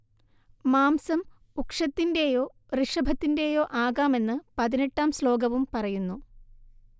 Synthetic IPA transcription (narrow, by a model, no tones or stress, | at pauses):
maːmsɐm | ukʂɐt̪ːinde̞jo̞ː | riʂɐbʱɐt̪ːinde̞ːjo̞ːʔaːɣaːme̞nːɨpɐðine̞ʈːaːmslo̞ːɡɐʋumpɐrɐjunːu